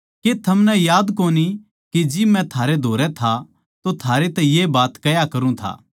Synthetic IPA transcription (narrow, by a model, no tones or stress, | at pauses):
ket̪ʰɐmnɛjaːd̪koːni | kid͡ʒɪmɛ̃t̪ʰaːɾed̪ʱoːɾɛt̪ʰa | t̪ot̪ʰaːɾet̪ɛ̃jebaːt̪kɐjakɐɾũt̪ʰa̰ː